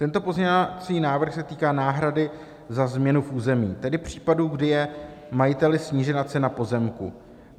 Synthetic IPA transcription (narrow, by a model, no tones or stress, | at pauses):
t̪ɛnt̪o̞po̞zɲɛat͡sɲiːnaːvr̩xsɛt̪iːkaːnaːɦɾadɪ | zazmɲɛnufuːzɛmiːt̪ɛdɪpr̝̥iːpaduɡdɪjɛ | majɪt̪ɛlɪsɲiːʒɛnat͡sɛnapo̞zɛmkṵ